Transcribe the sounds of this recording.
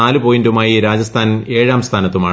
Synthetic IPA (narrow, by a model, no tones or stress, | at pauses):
aːlɨpoːjindumaːjiɾaːd͡ʑɐst̪ʰaːne̞ːɻaːmst̪ʰaːnɐt̪ːumaː